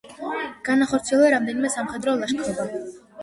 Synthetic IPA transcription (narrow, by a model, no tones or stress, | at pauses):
ɡ̥anaχɔɾt̪sʰiɛlˠɾamd̪ɛnimɛsamχɛd̪ɾɔlˠaʃkʰɾɔba